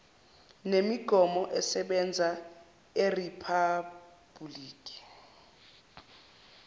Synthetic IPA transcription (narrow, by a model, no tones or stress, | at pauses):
nemiɡ̥ʱɔmɔʔɛsɛɓɛnd͡zʱa | eripʰab̥uliːkʼi̥